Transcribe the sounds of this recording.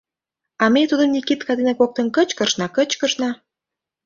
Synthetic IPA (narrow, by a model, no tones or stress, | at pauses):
ɑmet̪ud̪əmnʲikit̪kɑd̪enɑkok̚t̪ə̆nkət͡ɕkə̆ʃnɑkət͡ɕkəʃnɑ